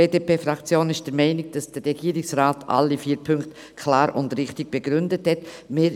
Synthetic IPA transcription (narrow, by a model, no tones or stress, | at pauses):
eːdeːpeːfɾakt͡sjoːnɪʃd̥əɾmɛɪnɪɡ̚d̥ɑsd̥əɾːɛɡiːɾɪksɾaːtʰa̰lːifiːɾpʰʏŋkt | kʰlaːɾʊ̰ndɾɪχtɪɡ̥̚b̥ɛɡɾʏndəthɛtmɪːɾ